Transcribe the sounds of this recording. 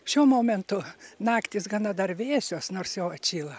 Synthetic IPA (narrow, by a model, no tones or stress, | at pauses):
ʃʲuɔmoːmʲɛnt̪ʊnɑːkt̪ʲɪsɡɑnɐd̪ɐrʋʲeːsʲoːsnoːrsjoʊɐt͡ʃʲiːlˠɐ